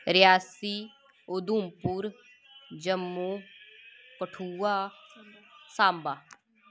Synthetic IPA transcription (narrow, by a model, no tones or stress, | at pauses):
ɾɪjaːsiː | ʊd̪uːmpuɾ | d͡ʒəmːuː | kəʈʰuːaː | saːmbaː